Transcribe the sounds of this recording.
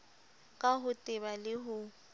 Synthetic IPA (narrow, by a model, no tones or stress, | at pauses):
kʼaɦʊtʼɪβalɪɦʊ